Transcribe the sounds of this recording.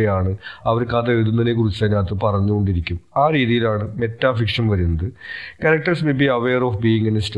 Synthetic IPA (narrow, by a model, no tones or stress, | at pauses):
ɐjaːɳɨɐʋɐɾkaːðɐeɭðunːɐinek̬urit͡ɕːaːnaːt̪ːɨpɐrɐɲːuɣo̞ɳɖiɾikʲːumaːɾiːðijilaːɳɨme̞tːaːfikʂɐmʋɐɾunːɐðɨkɐɾɐk̚ʈɐrsmebiɐʋeːroːfbiiŋɡɐnst